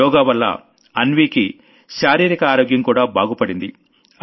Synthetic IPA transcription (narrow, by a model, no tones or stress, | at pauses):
ɔːɡaːʋɐlːɐ̰ | ɐnʋiːki | ʃaːɾiːɾikɐaːɾoːɡjɐmkuːɽaːbʱaːɡupɐɽind̪ḭ